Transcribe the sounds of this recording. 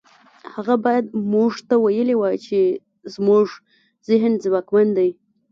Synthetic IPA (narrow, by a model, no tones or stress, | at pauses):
haɣabɑjad̪̚muʐt̪awajəlewat͡ʃe | zmuʐ | zɪɦnzwakmand̪aj